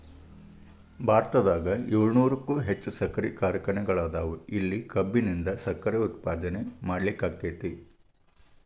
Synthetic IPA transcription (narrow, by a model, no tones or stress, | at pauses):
bʱaːɾt̪ɐd̪aːɡɐeːɭnuːɾɐkːuːɦet͡ʃːusɐkɐɾikaːɾjɐkɾɐɳɛɡɐɭaːd̪aːʋuilːikɐbːinind̪ɐsɐkːɐɾeut̪paːd̪ɐnemaːɽlikːaːɡeːt̪i